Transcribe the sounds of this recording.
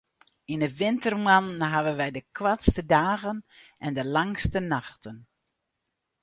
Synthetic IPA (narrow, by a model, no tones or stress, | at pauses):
inəʋɪntərmanɦaʋənʋɛjdəkwatstədaːɣənʔɛndəlaŋstənaxtən